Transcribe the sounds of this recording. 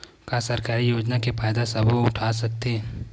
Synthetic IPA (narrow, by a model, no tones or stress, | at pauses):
kasɐɾkaːɾijoːd͡ʒnakepʰaːjd̪asɐboʊʈʰaːsɐk̚t̪eː